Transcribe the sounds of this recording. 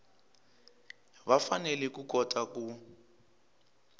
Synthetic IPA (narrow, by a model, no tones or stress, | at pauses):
βafanɛlɛkuk̬ɔtʼaku